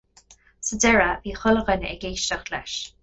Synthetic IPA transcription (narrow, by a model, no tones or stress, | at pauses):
sədɛɹəviːxʊləɣənɛ̰ɡeːʃtəxlɛʃ